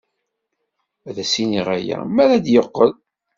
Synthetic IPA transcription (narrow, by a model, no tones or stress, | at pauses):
æðæsiniʁæjæ̰mæɾæd̪jəqːəð